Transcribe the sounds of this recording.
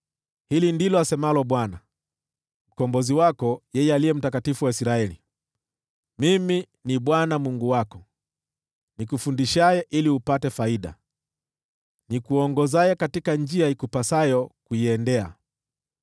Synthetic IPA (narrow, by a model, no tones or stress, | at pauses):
hilindilɔasɛmalɔɓwana | m̩kɔmbɔziwakɔjɛjɛalijɛm̩takatifuwaisɾaɛli | mimi | niɓwanamuŋɡuwakɔ | nikufundiʃajɛʔiliupatɛfaiɗa̰ | nikuɔŋɡɔzajɛkatikand͡ʒiaikupasajɔkuiɛndɛa̰